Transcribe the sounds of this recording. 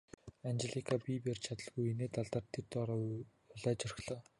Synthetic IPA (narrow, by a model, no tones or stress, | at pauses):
ant͡ɕeɮikʰapipert͡ɕʰat̪ə̆ɮɣujeneːt̪aɮt̪aːrt̪ʰːert̪ɔɾɔ | ʊɮæːt͡ɕɔr̆xɮɔː